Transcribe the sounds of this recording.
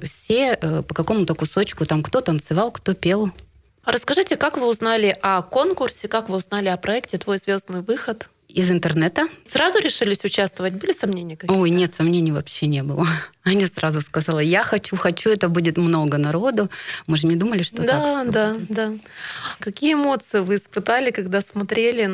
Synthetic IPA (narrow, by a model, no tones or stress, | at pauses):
fsʲeəpəkɐko̞mʊt̪əkʊso̞t͡ɕkʊt̪amkt̪o̞t̪ənt̪sɨvɑlˠkt̪o̞pʲe̞lˠ | ɾʔəskɐʐɨtʲɪkakvɨʊznalʲɪʔɐko̞nkʊrsʲɪkakvɨʊznalʲɪɐpɾɐɛktʲɪt̪vo̞jzvʲo̞znɨjvɨxət̪ | ɪzɪnt̪ərnɛt̪əsrazʊɾʲɪʂɨlʲɪsʲʊt͡ɕast̪vəvət̚ʲbɨlʲɪsɐmnʲenʲɪjəkojnʲe̞t̪sɐmnʲenʲɪjvɐpɕːenʲebɨlˠəɐnʲisɾʔazʊskɐzalˠəjaxɐt͡ɕuxɐt͡ɕuɛt̪əbudʲɪt̪mno̞ɡənɐɾo̞d̪ʊmɨʐɨnʲɪd̪uməlʲɪʂt̪od̪ad̪ad̪a | kɐkʲijəɪmo̞t̪sɨjɪvɨɪspɨt̪alʲɪkɐɡd̪asmɐt̪ɾʲelʲɪ